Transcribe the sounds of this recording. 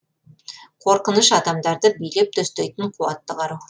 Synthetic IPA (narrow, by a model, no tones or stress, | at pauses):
qʰo̞ɾqənəʃɑd̪ɑmd̪ɑɾd̪əbijlep̚t̪ʰɵst̪ejt̪əɴqʰuɑt̪ːəqɑɾu